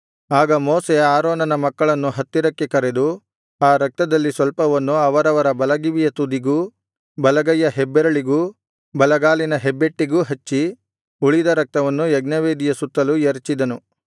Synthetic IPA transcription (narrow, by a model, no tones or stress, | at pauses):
aːɡɐmoːseaːɾoːnɐnɐmɐkːɐɭɐnːuɦɐt̪ːiɾɐkːekɐɾed̪u | aːɾɐk̚t̪ɐd̪ɐlːisʋɐlpɐʋɐnːuɐʋɐɾɐʋɐɾɐbɐlɐɡiʋijɐt̪ud̪iɡuː | bɐlɐɡɐjːɐɦebːeɾɐɭiɡuː | bɐlɐɡaːlinɐɦebːe̞ʈːiɡuːɦɐt͡ʃːi | uɭid̪ɐɾɐk̚t̪ɐʋɐnːujɐɡnɐʋeːd̪ijɐsut̪ːɐlujɐɾt͡ʃid̪ɐnu